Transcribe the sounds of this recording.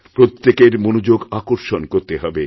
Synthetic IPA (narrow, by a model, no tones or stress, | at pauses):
pɾot̪ːekeɾmonud͡ʑoɡakoɾʃonkoɾt̪eɦɔbe